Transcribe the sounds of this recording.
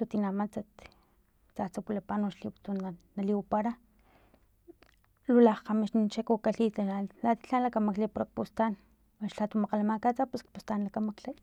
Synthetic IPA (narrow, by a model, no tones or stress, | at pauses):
lut̪inamat͡sat̪ | t͡sat͡sapulapanoʃliwt̪unanaliwapaɾa | lulahqamiʃnint͡ʃakukaɬit̪aalat̪i̥ɬanlakamaklipoɾk̚pust̪an | waʃɬat̪umaqalamakat͡sapuskpust̪anlakamakle